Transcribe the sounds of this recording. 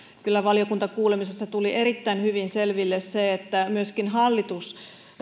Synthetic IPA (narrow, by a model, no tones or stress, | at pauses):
kylːæʋɑlijokunt̪ɑkuːlemisesːɑt̪uliʔeɾit̪ːæinhyʋinselʋilːesseet̪ːæmyøskinɦɑlːit̪us